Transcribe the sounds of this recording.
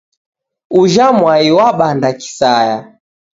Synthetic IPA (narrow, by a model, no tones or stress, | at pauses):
uʒamwaiwaɓandaki̥saja